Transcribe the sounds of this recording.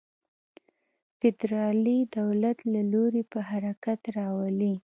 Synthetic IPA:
fɪd̪ɾɑlid̪awlat̪laloɾepəɦaɾakat̪ɾɑwali

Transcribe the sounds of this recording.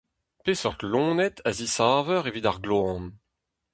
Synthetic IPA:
pesɔʁt̪lɔ̃ːnɛt̪ʰazisaːvœʁevidaʁɡloɑ̃n

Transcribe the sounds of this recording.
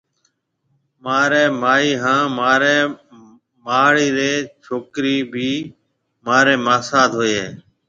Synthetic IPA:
maːɾeːmaːiːɦãːmaːɾeː | maːɭiːɾeːt͡ʃʰoːkɾiːbʱiː | maːɾeːmaːsaːd̪ɦoːeː

